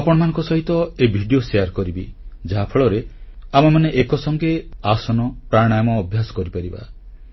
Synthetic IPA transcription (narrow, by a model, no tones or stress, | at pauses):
apɔɽ̃ɔmanɔ̃ŋkɔsɔɦit̪ɔebʱiɖijoseaɾkɔɾibid͡ʒaɦapʰɔɭɔɾeamɔmaneʔekɔsɔŋkeasɔnɔpɾaɽ̃ajɔmɔːbʱjasɔ̥kɔɾipaɾiba̰